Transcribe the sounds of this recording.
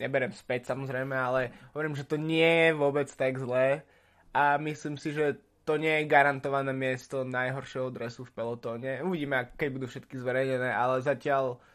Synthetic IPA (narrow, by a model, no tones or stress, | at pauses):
ɲɛbɛɾɛmspɛcsamɔzɾɛjmɛalɛɦɔʋɔɾimʒɛt̪ɔɲɪɛjɛʋʊɔbɛt͡st̪aɡzlɛː | ʔamisliːmsiʒɛ | t̪ɔɲɪɛjɛɡaɾant̪ɔʋanɛːmɪɛst̪ɔnajɦɔɾʃjɛɦɔd̪ɾɛsufpɛlɔt̪ɔːɲɛuʋiɟiːmɛakkɛɟbud̪uːfʃɛt̪kizʋɛɾɛjɲɛnɛːʔalɛzacɪal